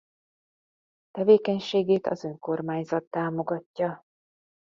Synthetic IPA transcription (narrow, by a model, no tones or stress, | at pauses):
t̪ɛveːkɛɲʃeːɡeːt̪ɒ̰zø̞ŋko̞rmaːɲzɒt̪ːaːmo̞ɡɒcːɒ